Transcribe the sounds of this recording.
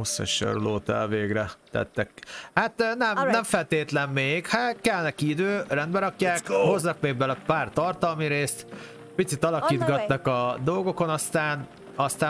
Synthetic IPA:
osɛ̰ʃɛ̰ɾloːt̪ɛ̰lveːɡrɛt̪ɛ̰t̪ːɛkhat̪nɛmnɛɱfɛlt̪eːt̪lɛmːeːɡhakɛlnɛkiid̪øːrɛnd̪bɛɾɒkjaːkho̞znɒk̚meːɡbɛlɒpaːrt̪ɒrt̪ɒlmiɾeːst̪ | pit̪sit̪ɒlɒkiːd̪ɡɒt̪ːɒkɒd̪o̞lɡo̞ko̞nɒst̪aːn | ɒst̪aː

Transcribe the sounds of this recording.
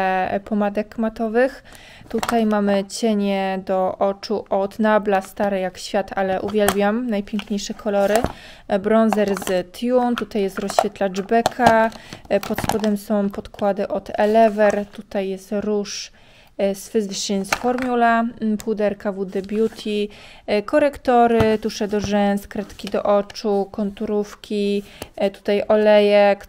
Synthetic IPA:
pɔmad̪ɛkmat̪ɔvɘx | t̪ut̪ajmamɘt͡ɕɛɲɛd̪ɔʔɔt͡ʂuʔɔd̪nablast̪aɾɛjakɕfʲjat̪alɛʔuvʲjɛlbʲjamnajpʲjɛŋkɲejʂɛkʰɔlɔɾɘ | bɾɔnzɛɾzt̪junt̪ut̪ajːɛst̪ɾɔɕfʲɛt̪lad͡ʐbɛkʰa | pɔt̪spɔd̪ɛmsɔ̃w̃pɔt̪kwad̪ɘʔɔt̪ɛlɛvɛɾt̪ut̪ajːɛst̪ɾuʂ | sfɘziʂinsfɔɾmʲjulapud̪ɛɾkavud̪ɛbʲjut̪ʲʰikɔɾɛkt̪ɔɾɘt̪uʂɛd̪ɔʐɛnskɾɛt̪kʲid̪ɔ̰ʔɔt͡ʂukɔnt̪uɾufkʲit̪u̥t̪ajɔlɛjɛk

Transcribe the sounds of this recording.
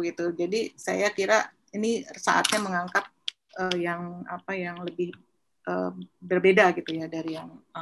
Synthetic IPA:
ɡit̪ud͡ʒadisa̰jakiɾa | inisa̰ʔa̰t̪̚ɲaməŋaŋkap̚ | ʔəːjaŋa̰pajaŋləbɪh | ʔəːbərbedaɡit̪ujadaɾijaŋ

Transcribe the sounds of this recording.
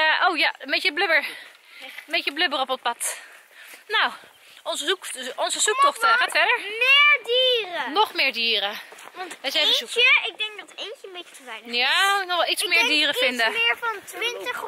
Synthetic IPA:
ʔowjaəmbecəbløbəɹ | əbecəbløbərɔpɔnpɑt | naw | ʔɔnzəukɔnzəzuk̚tɔxtxaːtfɛɹdəɹmɪɹdiːrənɔχmɪːɹdiːrəʋntʋɛsɛuəɪɡ̚dɛŋɡ̚dɑtejnt͡ʃəmbet͡ʃətəvɛjnjanɔχɛlˠitsmɪːɹdiːrəfɪndəɪɹfɑnʋɪntə

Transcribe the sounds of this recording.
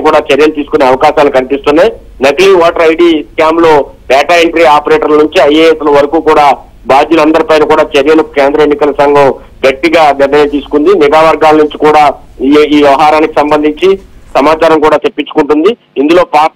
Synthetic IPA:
kuːɽaːt͡ʃɐɾjɐlut̪iːsu̥kune̞ːɐʋɐkaːʃaːlukɐnipist̪unːaj | nɐɡliːʋaːʈɐɾɐjɖiːskaːmlo̞ːʈɛːʈaːeɳʈɾiaːpɐɾeːʈɐɾlɐnuɲt͡ʃiɐjeːeslɐʋɐɾɐkuːkuːɽaː | baːd̪julɐnd̪ɐɾipɐjnɐkuːɽaːt͡ʃɐɾjɐlukɐkeːnd̪ɾɐenːikɐlɐsɐŋɡɐm | ɡɐʈːiɡaːnɛɾnɐjlt̪iːsu̥kund̪iniɡaːʋɐɾɡaːlɐnuɲt͡ʃikuːɽaː | iːʋjɐʋɐɦaːɾaːniki̥sɐmbɐnd̪ʱiɲt͡ʃisɐmaːt͡ʃaːɾɐmkuːɽaːt͡ʃepːit͡ʃːukuɳʈund̪i | ind̪ulo̞ːpaː

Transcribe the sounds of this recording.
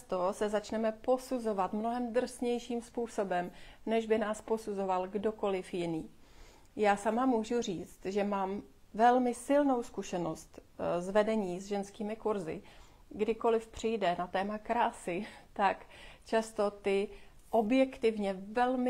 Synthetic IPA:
t̪osɛzat͡ʃnɛmɛpo̞suzo̞vat̪mnoɦɛmd̪r̩sɲɛjʃiːmspuːso̞bɛmnɛʒbɪnaːspo̞suzo̞valɡdo̞ko̞lɪfjɪniː | jaːsamamuːʒuriːt͡st̪ʒɛmaːm | vɛlmɪsɪlno̞wskuʃɛno̞st̪zvɛdɛɲiːzʒɛnskiːmɪkuɾzɪ̰ | ɡdɪko̞lɪfpr̝̥ɪjdɛnat̪ɛːmakɾaːsɪt̪akt͡ʃast̪o̞t̪ɪ | ʔo̞bjɛkt̪ɪvɲɛvɛlmɪ

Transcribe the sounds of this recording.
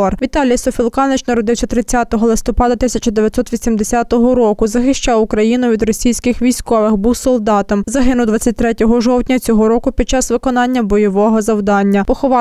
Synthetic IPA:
ɔrʋʲit̪ɑlʲijɐsɔfʲilˠkɑnɪt͡ʃnɐɾɔd̪ɪwsʲɐt̪ɾɪt͡sʲːat̪ɔɦɔlˠɪst̪ɔpɑd̪ɐt̪ɪsʲɐt͡ʃɐd̪eʋʲjɐt̪sɔt̪ʋʲisʲimd̪esʲɑt̪ɔɦɔɾɔkʊzɐxɪʃt͡ʃɑwʊkɾɐjinʊʋʲid̪ɾɔsʲijsʲkɪxʋʲijsʲkɔʋɪxbuwsɔlˠd̪ɑt̪ɔmzɐɦɪnʊwd̪ʋɑt͡sʲːɐt̚ʲt̪ɾɛtʲɔɦɔʒɔwt̪ʲnʲɐt͡sʲɔɦɔɾɔkʊpʲid̪̚t͡ʃɑsʋɪkɔn̪ɑnʲːɐbɔjɔʋɔɦɔzɐwd̪ɑnʲːɐpɔxɔʋɑ

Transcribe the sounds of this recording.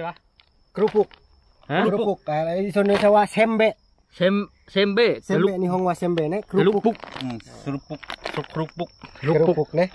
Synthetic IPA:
a | kɾupuk̚ | haɾuuk̚sɔnosawasɛmbɛ | sɛm | sɛmbɛsɛlniɦɔŋwasɛmbɛnɛkɾuluukɾupukukɾupuk̚luɾupuk̚nɛ

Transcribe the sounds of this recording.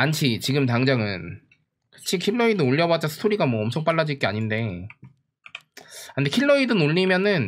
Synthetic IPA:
anɕʰit͡ɕiɡɯmtaŋd͡ʑaŋɯn | kʰɯ̥t͡ɕʰikʰiɭːoidɯnoʎːʌbad͡ʑ͈asʰɯ̥tʰoɾiɡamwʌʌmt͡ɕʰʌŋp͈aɭːad͡ʑik͈eaɲinde̞ | andekʰiɭːʌidɯnoʎːimjʌnɯn

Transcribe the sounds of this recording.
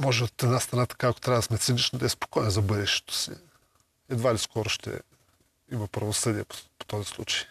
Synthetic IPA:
mɔʒɛot̪ɛd̪nast̪ɾɐnat̪ɐ̥kako̥t̪ɾʲavɐd̪ɐsmɛt̪sinit͡ʃnod̪ɐɛspo̥kɔjɛnzɐbɤd̪ɛʃt̪ɛ̥t̪o̥sḭ | ɛd̪valiskɔɾʊʃt̪ɛ̰ | imɐpɾɐvosɤd̪iɛpo̥po̥t̪ɔzislˠṵt͡ʃɐ̥j

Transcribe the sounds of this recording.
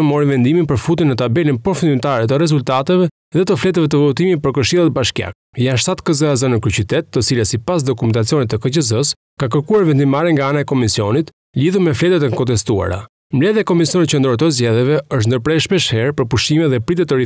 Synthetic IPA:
mɔɾivɛnd̪iminpəɾfut̪̬inːət̪abɛlinpɾɔfund̪imt̪aɾɛt̪əɾɛzult̪at̪ɛvɛ | ðɛt̪əflɛt̪ɛvɛt̪əvɔt̪iminpəɾkəɾʃilˠat̪̚baʃkja̰k̚ | janʃt̪at̪kəzəazənəkɾyt͡ɕit̪ɛt̪ːət͡silɛsipas̬d̪ɔkumɛnt̪at͡siɔnit̪ːəkəcəz̬əs | kak̬əɾkuaɾvɛnd̪imaɾɛŋɡaanaɛkɔmisiɔnit̪ | liðuɾmɛflɛt̪ɛt̪ɛŋkɔnt̪ɛst̪ua̰ɾa̰ | mlɛðjakɔmisijɔnit̪̚cənd̪ɾɔɾt̪əzɟɛðjɛvɛəʃt̪nd̪əɾpɾɛʃpɛʃhɛɾpəɾpuʃtimɛðɛpɾit̪ɛt̪əɾi

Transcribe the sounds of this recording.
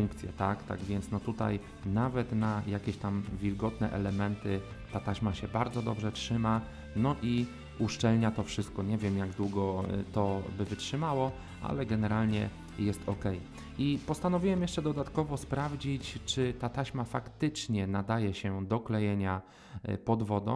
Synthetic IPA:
uŋkt̪sʲjɛ̰t̪akt̪a̰ɡvʲjɛnt̪snɔt̪ut̪a̰j | navɛt̪najakʲeɕt̪amvʲilɡɔt̪nɛ̰ʔɛlɛmɛnt̪ɘt̪at̪aɕmaɕɛbaɾd̪zɔd̪ɔbʐɛtʂɘma | nɔʔi | uʂt͡ʂɛlɲat̪ɔfʂɘst̪̚kɔɲɛvʲjɛmjaɡd̪wuɡɔt̪ɔbɘvɘtʂɘmawɔ | ʔa̰lɛɡɛnɛɾalɲɛ | jɛst̪ʰɔkɛj | ipɔst̪anɔvʲiwɛmjɛʂt͡ʂɛd̪ɔd̪at̪kɔvɔspɾavd͡ʑit͡ɕt͡ʂɘt̪at̪aɕmafakt̪ɘt͡ʂɲɛnad̪ajɛɕɛd̪ɔklɛjɛɲa | pɔd̪vɔd̪ɔ̰̃

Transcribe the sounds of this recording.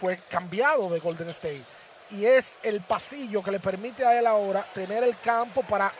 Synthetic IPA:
we̞kambjaðo̞ðe̞ɣo̞ld̪e̞ŋest̪ej | ie̞se̞lpasiʝo̞ke̞le̞pe̞ɾmit̪e̞aelao̞ɾat̪e̞ne̞ɾe̞lkampo̞paɾa

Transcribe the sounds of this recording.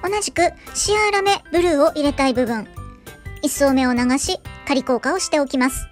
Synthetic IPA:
o̞naʑikɯ̟ɕiaɾame̞bɯ̟ɾɯ̟ːo̞ʔiɾe̞t̪aibɯ̟bɯ̟̃ŋ | isoːme̞o̞naɡaɕikaɾʲiko̞ːkao̞ɕi̥t̪e̞o̞kʲimasɨ̥

